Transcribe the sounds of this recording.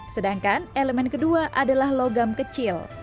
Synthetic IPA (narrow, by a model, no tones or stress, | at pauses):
sədaŋkaneləmɛnkəduaʔadalahloɡamkət͡ʃɪl